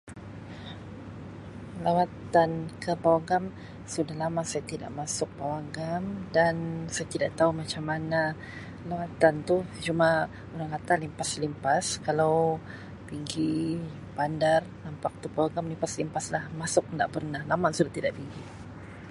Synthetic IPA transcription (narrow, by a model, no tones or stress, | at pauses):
lawat̪ankəpawaɡam | sudahlamasajat̪ida̰ʔmasʊk̚pawaɡamdansajat̪idaʔt̪aumat͡ʃamːana | lawat̪ant̪ut͡ʃuma | uɾaŋkat̪alimpaslimpaskalaw | piŋɡi | pandarnampak̚t̪upawaɡamlimpaslimpaslahmasʊk̚ndaʔpərnahlamansudaht̪idaʔpiŋɡi